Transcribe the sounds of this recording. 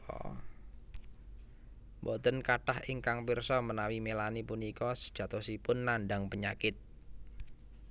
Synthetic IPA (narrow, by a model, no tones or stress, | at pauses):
ɔ̰ | bot̪ə̤nkaʈahɪŋkaŋpirsɔmənawimelanipunikɔsə̥d̥ʒ̥ä̤t̪osipʊnːaɳɖaŋpəɲa̰kɪt̪̚